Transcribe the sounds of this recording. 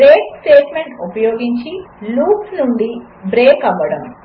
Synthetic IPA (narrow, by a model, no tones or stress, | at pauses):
ɾeːksʈeːʈmeɳʈupɐjoːɡiɲt͡ʃiluːksnuɳɖi | bɾeːkɐmbɐɽɐm